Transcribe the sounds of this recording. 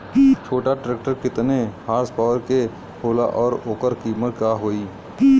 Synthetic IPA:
t͡ʃʰoːʈaʈɾeːk̚ʈəɾkɪt̪nehaːɾspaːʋəɾke | hoːla̰ʔɔːɾoːkəɾkiːməɾkaːɦoːiː

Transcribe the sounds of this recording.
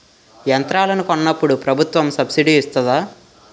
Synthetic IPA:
jɐnt̪ɾaːlɐnukonːɐpːuɽupɾɐbʱut̪ʋɐmsɐbsiɖiːst̪ɐd̪aː

